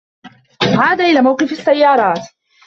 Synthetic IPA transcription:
ʕaːd̪aʔɪlaːmawqɨɪfasːajːɑːɾˤɑːt̪

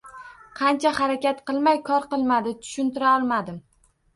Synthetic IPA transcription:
qʰɑnt͡ʃʰahaɾakʲat̪qɨlˠmajkʰɒɾqɨlˠmad̪ɪt̪ʰʊ̥ʃʊnt̪ɪɾaɒlˠmad̪ɪm

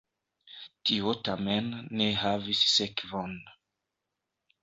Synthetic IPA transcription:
tiotamenːeɦavisːekvon

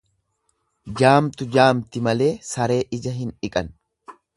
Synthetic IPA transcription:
d͡ʒaːmt̪ʊd͡ʒaːmt̪ɪmɐle̞ːsɐɾe̞ːʔɪd͡ʒɐɦɪnɪkʼɐn

